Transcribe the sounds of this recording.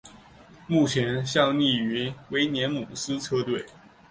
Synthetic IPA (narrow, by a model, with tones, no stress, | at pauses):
mu˥˩t͡ɕʰjɛ˧˥nɕjɑ˥˧ŋni˥˩y˧˥we˧˥ɪnjɛ˧˥nmu˨˩sɹ̩˥t͡sʰɤ˥t̪we˥˩ɪ